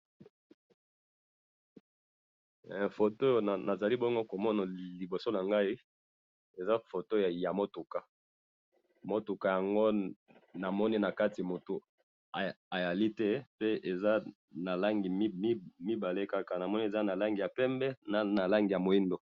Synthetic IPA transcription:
fo˨to˦jo˨na˨za˨li˦bɔ˦ŋɡo˦ko˨mɔ˦na˨li˨bo˨so˦na˨ŋɡa˦i˦ | e˨za˦fo˨to˦˨ja˨mo˦tu˨ka˨ | mo˦tu˨ka˨ja˨ŋɡo˦na˨mɔ˦ni˦na˨ka˦ti˨a˨mo˨tu˨ | a˨ | a˨ja˨li˦tɛ˦pe˦e˨za˦ | na˨la˦ŋɡi˨˦m˦mi˦ba˨le˦ka˦ka˨na˨mɔ˦ni˦e˨za˦na˨la˦ŋɡi˨ja˨pɛ˦mbɛ˦na˨na˨la˦ŋɡi˨ja˨mo˨i˦ndo˨

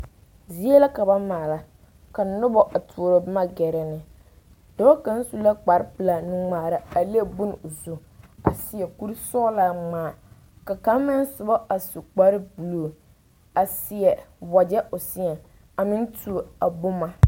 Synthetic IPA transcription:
zi˦e˦la˦ka˨ba˦maː˨la˦ | ka˨nʊ˦bɔ˨ʔa˨tʰu˨o˨ɾo˨bɪ˦ma˦ɡɛ˨ɾɛ˨nɪ˨ | d̥ɔː˦ka˦n̩˦su˦la˦k͡pa˨ɾɪ˦pɨ˨la˨nɪ˦ŋ͡maː˨ɾa˦a˨le˦bʊ˦n˨ʊ˨zu˦ | a̰˨sɪ˨jɛ˨ku˦ɾsɔː˦la˨ŋ͡maː˨ | ka˨ka˨˦mɪ˦n˦sʊ˨bɔ˦ʔa˨su˨k͡pa˦ɾɪ˦bu˨lu˦˨ | a˨sɪ˨ɛ˨bɔ˨d͡ʒɛ˦ʔʊ˨sɪ˦ɛ˨ | a˨mɪ˦ntu˦˨a˨bʊ˦ma˨

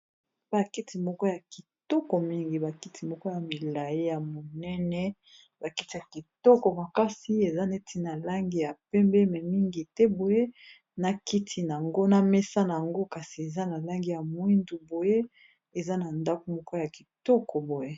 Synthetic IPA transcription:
ba˨ki˦tʰi˨mɔ˦kɔ˦ja˨ki˨tɔ˦kɔ˨mi˦ŋɡi˨ba˨ki˦tʰi˨mɔ˦kɔ˦ja˨mi˨la˨je˦ja˨mo˨nɛ˦nɛ˦ | ba˨ki˦ti˨ja˨ki˨tɔ˦kɔ˨ma˨ka˦si˦e˨za˦ne˦ti˦na˨la˦ŋɡi˦ja˨pɛ˦mbɛ˦mɛ˨mi˦ŋɡi˨tɛ˦bo˨je˦ | na˨ki˦tʰi˦na˨a˨ŋɡo˦na˦mɛ˦sa˦na˨a˨ŋɡo˦ka˨si˨e˨za˦na˨la˦ŋɡi˦ja˨mwi˦ndu˨bo˨je˦ | e˨za˦na˨nda˦ko˨mɔ˦kɔ˦ja˨ki˨tɔ˦kʰɔ˨bo˨je˦

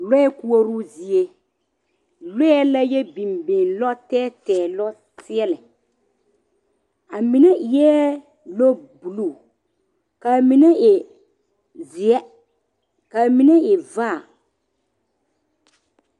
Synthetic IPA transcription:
lɛ˦ɛ˦ku˦o˦ɾu˦zi˨e˦ | lɛ˦ɛ˦la˦jɛ˦bi˨mbẽ˨lɔ˦tɛː˦tɛː˨lɔ˦ | sɪ˦ɛ˦lɛ˨ | a˨mi˨na˦˨jɛː˦ | lo˦bu˨lu˦˨ | ka˨mi˨na˦ʔɪ˨ | zɪ˨ɛ˦ | ka˨mi˨na˦ɪ˨vaː˦˨

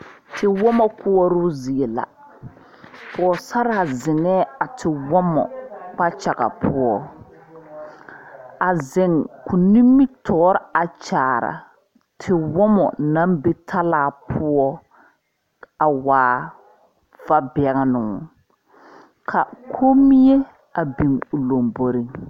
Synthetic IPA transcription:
tʰɪ˨wɔ˦mɔ˦kʊ˦ɔ˦ɾʊ˦zi˨e˨la̰˨ | fɔ˨sa˦ɾaː˨zɪ˨ŋɛ˦a˨tʰɪ˨wɔ˦mɔ̰˨k͡pa˦t͡ʃa˨ɣa̰˨pʰʊ˦ɔ˦ | a˨zɪ˨ŋkʰʊ˨nĩ˦mːi˦tʰɔː˦ɾɪ˦a˨t͡ʃaː˨ɾa̰˨ | tʰɪ˨wɔ˦mɔ̰˨na˦mbe˦tʰa˦laː˦˨pʰʊ˦ɔ˦ | a˨waː˨ | va˦bɛ˨ɣa˦nʊ˨ | kʰa˨kʰo˦mi˦e˦ | a˨bi˨ŋʊ˨lo˨mbo˨ɾi˦ŋ

